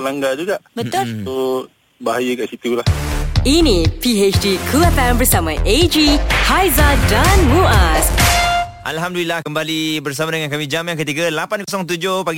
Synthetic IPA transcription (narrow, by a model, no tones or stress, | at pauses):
laŋɡad͡ʒuɡaʔbət̪olo | baɦajəkaʔsit̪ulahinĩpiet͡ʃdikʰuɛfɛmbərsamãʔed͡ʒihajzadanmuas | ʔa̰lɦamdulilahkəmbalibərsamadəŋankamĩd͡ʒamjaŋkət̪iɡalapankosɔŋt̪̬ud͡ʒohpaɡi